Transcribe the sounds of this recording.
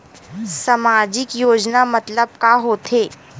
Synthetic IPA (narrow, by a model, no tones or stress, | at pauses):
sɐmaːd͡ʒɪkjoːd͡ʒnamɐt̪ləb̚kaɦoːt̪ʰeː